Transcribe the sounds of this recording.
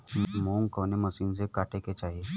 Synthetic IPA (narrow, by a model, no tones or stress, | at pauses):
moːŋɡkɔːneməsiːmsekaːʈeket͡ʃaːɦieː